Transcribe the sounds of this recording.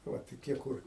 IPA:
ˈʋɐ toːˈkʲiɛ ˈkʊr

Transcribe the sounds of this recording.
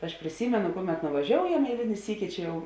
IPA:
ɐʃ pʲrʲɪˈsʲiːmʲɛnʊ ˈkʊˌmʲɛt nʊʋɐˈʒʲoːʊjɛm ɛɪˈlʲɪnʲɪ ˈsʲiːkʲɪ ˈt͡ʃʲɛ ˈjɛʊ

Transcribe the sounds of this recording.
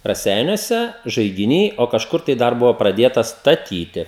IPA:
rɐˈsʲɛɪnʲuɔsʲɛ ʒɐɪɡʲɪˈnʲiː oː kɐʃˈkʊr tɐɪ ˈdɐr ˈbʊʋoː prɐˈdʲeːtɐs stɐˈtʲiːtʲɪ

